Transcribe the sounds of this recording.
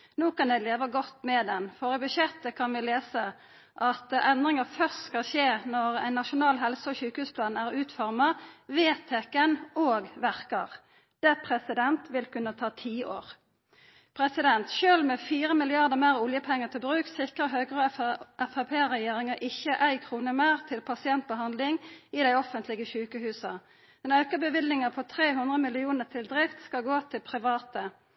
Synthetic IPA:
noːkɑnd̪ɛɪleːʋəɡɔt̪ːmɛd̪ɛnfɔʁɪbʉʃjɛt̪ːəkʰɑnʋɪleːsə | ʔɑt̪ɛnd̪ʁɪŋəfœʁst̪skɑlʃeːnɔʁæ̰ɪnːɑʃʊnɑːlɦɛlsəɔçʉːkhʉːspʰlɑːnæʁʉːt̪fɔʁmɑʋeːt̪ʰːekənoːɡʋæʁkəʁ | d̪̥ɛpʰʁɛsɪd̪ɛnt̪ʋɪlkʉnət̪ʰɑːt̪ʰiːoːʁ | pʰʁɛsɪd̪ɛnt̪ʃøːlmɛfiːʁəmɪlɪɑʁd̪əmæːʁʊljəpʰɛŋːət̪ʰɪlbʁʉːksɪkʁəɦøːɡʁəʔɛfɑpʰeːʁɛjeːʁɪŋɑʔɪçːəʔæɪkʰʁuːnəmeːʁt̪ʰɪlpʰɑsɪɛnt̪̚bəɦɑnd̪lɪŋɪd̪æɪɔfənt̪lɪɡəçʉːkəhʉːsɑ | ɛnɑʉkəbəʋɪlnɪŋəpʰɔt̪ʰʁeːɦʉnd̪ʁəmɪlɪuːnəʁt̪ʰɪld̪ʁɪft̪skɑlɡoːt̪ʰɪlpʰʁɪʋɑːt̪ə

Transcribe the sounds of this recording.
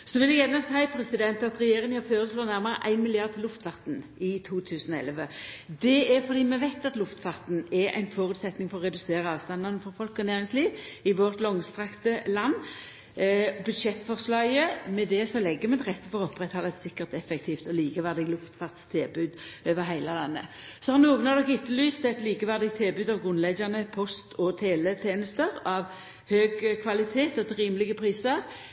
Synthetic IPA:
sɔʋɪlɛɡɛnəsæɪpʰɾɛsɪd̪ɛnt̪ɑt̪ɾɛjeːɾɪŋhɑføːɾəsloːnæʁməɾə̰ʔæ̰ɪnmɪlɪɑʁd̪t̪ʰɪlʊft̪fɑʁt̪n̩ɪt̪ʰuːt̪ʰʉːsənɔɛ̰lːʋəd̪ɛæɾfɔʁd̪iːmɛʋæɪt̪ɑt̪lʊft̪fɑʁt̪n̩ɛɾæ̰ɪnfoːɾʉːt̪sɛt̪nɪŋfɔʁɔʁɛd̪ʉseːɾəɑːʋst̪ɑnd̪ənəfɔɾfɔlkɔnæːɾɪŋsliːʋɪʋɔʁt̪lɔŋst̪ʁɑkt̪əlɑnː | bʉd̪ʃɛt̪ːfɔʁslɑɡəmɛd̪ɛsɔlɛɡːəmɛɛt̪ʁɛt̪ːəfɔʁɔɔpːʁɛt̪hɔlət̪sɪkːəʁt̪ɛfɛkt̪ʰiːft̪ɔliːkəʋæʁd̪ɪɡlʊft̪fɑʁt̪st̪ʰeːbʉːd̪øːʋəɾɦæɪləlɑnːə̰ | sɔhɑʁnuːɡənɑʋd̪ɔkɪt̪ːəlyːst̪ɛt̪liːkəʋæʁd̪ɪɡ̚t̪ʰeːbʉːd̪ɑʋɡʁʉnlɛɡənəpʰɔst̪ʰɔt̪ʰeːʋ̪ɛt̪ʰeːnəst̪əʁɑʋ | høːɡkʰʋɑlɪt̪ʰeːt̪ɔt̪ʁiːməlɪɡəpʰʁiːsəɾ

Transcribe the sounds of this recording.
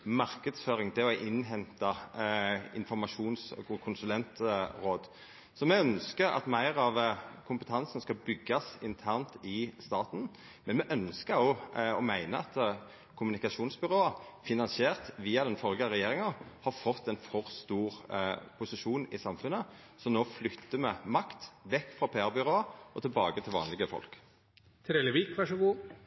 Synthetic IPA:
mɑʁkəd̪sføːɾɪŋd̪ɛɔæɪʔɪnːɦɛnt̪ɑ | ɪ̰nfɔɾmɑʂuːnskʰʊnsʉlɛnt̪ʁoːd̪ | sɔmɛœnskəɾɑ̰t̪mæɪʁɑʋkʰʊmpət̪ʰɑnsn̩skɑbʏɡːɑsɪnt̪ʰæʁnt̪ɪst̪ɑːt̪n̩ | mɛnmɛʔœnskəɾɔɔmæɪnəɑt̪ | kʰʊmʉnɪkɑʃuːnsbʏʁoːɑfɪnɑnsɪeːʁt̪ʋiːɑd̪ɛnfɔlɡəɑʁɛjeːʁɪŋɑhɑɾfɔt̪ːɛɪnfɔʁst̪uːɾpʰʊsɪʂuːnɪsɑmfʉnə | sɔmnoːflʏt̪ːəmɛmɑkt̪ʋɛkːfʁɑpʰeːæʁbʏʁoːɑʔɔt̪ʰɪlbɑːɡət̪ʰɪlʋɑ̰ːnlɪɡəfɔ̰lk | t̪ʰɾɛləʋiːkʋæʂəɡuː

